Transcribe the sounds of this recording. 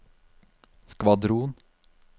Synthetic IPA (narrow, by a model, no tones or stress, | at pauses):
skʋɑd̪ɾuːn